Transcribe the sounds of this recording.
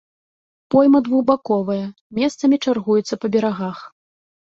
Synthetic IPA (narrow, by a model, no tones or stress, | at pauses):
pɔjmɐd̪vuɣbakɔvɐjɐ | mʲɛst̪sɐmʲit͡ʂarɣujɛt̪sːɐpɐbʲɛɾaɣax